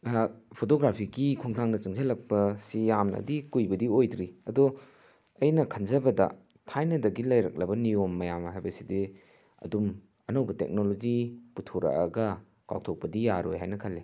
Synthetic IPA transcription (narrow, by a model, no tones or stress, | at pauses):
pʰotoɡɾapʰiɡikʰuŋtʰaŋnɐt͡ʃɯŋzɐlɐk̚pɐsijamnɐ̰dikujbɐdiojdɾiɐdu | ɐjnɐkʰɐnzɐbɐdɐ̰ | tʰajnɐdɐɡilɐjɾɐ̰k̚lɐbɐniomːɐjamɦajbɐside | ɐ̰dum | ɐnɐwbɐtḛk̚nolod͡ʒiputʰuɾa̰ʔɐ̰ɡɐ | ka̰w̚tʰok̚pɐdijaɾo̰jɦajnɐkʰɐlːe